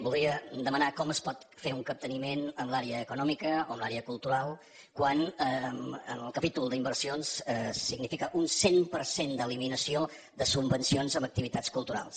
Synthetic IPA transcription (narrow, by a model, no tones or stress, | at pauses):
bulˠd̪ɾiəd̪əmənakɔməspɔt̪feuŋkəp̚t̪ənimenəmlaɾeəːkunɔmikəoəmlˠaɾeəkulˠt̪uɾalˠ | kwanəə̰nəlˠkəpit̪ulˠd̪əimbərsionsəsiɡnifikəʔunsempəɾsend̪əliminəsio | ðəsubbənsionzəmək̚t̪iβit̪at͡skulˠt̪uɾa̰lˠs